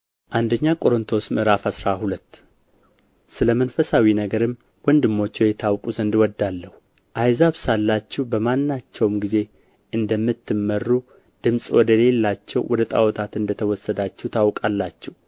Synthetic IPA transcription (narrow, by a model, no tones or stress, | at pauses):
ʔand̪əɲːakʼo̞ɾɨnt̪ʰo̞smɨɾafhasɾahulət̪ː | sɨləmənfəsawinəɡəɾɨm | wɔnd̪ɨmːo̞t͡ʃːɛwjɛt̪ʰawkʼuzənd̪wɔd̪ːalːəhu | ʔajzaβsalːat͡ʃːɛwbəmanːat͡ʃːɛwmɡize̞ | ʔɨnd̪əmːɨt̪ːɨmːərːu | d̪̥ɨmsʼwɔd̪əle̞lːat͡ʃːɛwwɔd̪ət̪ʼa̰wɔt̪ʰat̪ɨnd̪ət̪ʰəwɔsːəd̪at͡ʃːɛwt̪ʰawkʼalːat͡ʃːɛw